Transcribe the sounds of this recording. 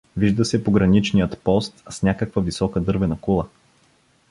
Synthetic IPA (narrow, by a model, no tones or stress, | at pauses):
viʒd̪əsɛpoɡɾɐnit͡ʃnijət̪pɔst̪snʲakəkvəvisɔkəd̪ɤɾvɛnɐkulˠə